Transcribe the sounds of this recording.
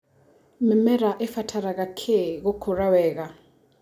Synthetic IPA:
mɛmɛɾaʔɛfatʰaɾakakʰɛk̬okʰɔrawɛːk̬a

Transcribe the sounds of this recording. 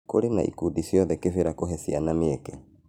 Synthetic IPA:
koɾena̰ʔḭkudisjɔðɛkefeɾakoɦɛsianameɛkɛ

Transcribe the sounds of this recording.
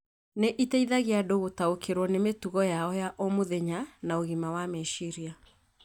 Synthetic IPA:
neʔitɛiðaɣeadoɣotaokʰeɾwɔnemetuɣɔjaɔjaʔɔmoðɛɲanaoɣimawameʃiɾia

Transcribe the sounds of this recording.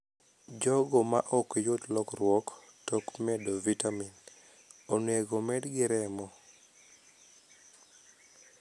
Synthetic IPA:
d͡ʒɔɡɔma̰ʔɔkjotlɔkrwɔk | tɔkmɛdovitamin | onweɡomɛdɡɪɾɛmɔ

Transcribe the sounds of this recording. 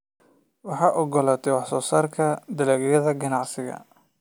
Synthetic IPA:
wɑħɑːʔɔɡɔlaːt̪ʰɛwɑħsɔːsaːrkʰɐd̪ɐlɛːɣjɐðɐɡɐnɑʕsɪɣɐ̰

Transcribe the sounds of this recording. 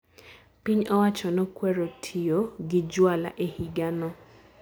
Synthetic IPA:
piɲɔwat͡ʃɔnɔkwɛɾotʰioɡɪd͡ʒwala̰ʔehiɡanɔ

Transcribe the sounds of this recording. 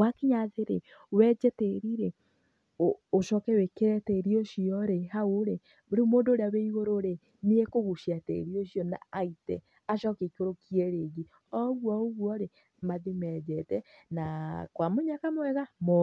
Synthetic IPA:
wakeɲaðeɾe | wɛd͡ʒɛteɾiɾe | oːʃɔkɛwekeɾɛtɛɾioʃiɔɾeɦaoɾe | ɾemoːndoːɾeaweiɣoɾoɾe | niekoɣuʃiatḛɾioʃjɔna̰aitɛ̰ | aʃɔkekoɾokiɛɾeɣi | ɔɣwɔoɣwɔɾe | maðemɛd͡ʒɛtɛnakwamoɲakamwɛɣamɔ

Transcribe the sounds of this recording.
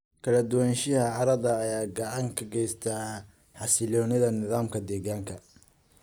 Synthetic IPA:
kʰɐlɐd̪ʊwanʃɪhɐʕɑɾɐðɐːjaːɡɐʕɑŋkʰɐɡɛjst̪ʰaː | ħɑsɪlɔːnɪðɐnɪðaːmkʰɐd̪ɛːɣaːŋkʰɐ

